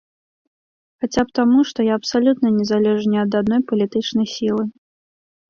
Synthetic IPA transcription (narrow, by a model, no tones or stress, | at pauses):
xat͡sʲapt̪amuʂt̪ɔjaɐpsalʲut̪nɐnʲɛzalʲɛʐnʲɛɐd̪ad̪nɔjpɐlʲit̪ɨt͡ʂnɐjsʲilˠɨ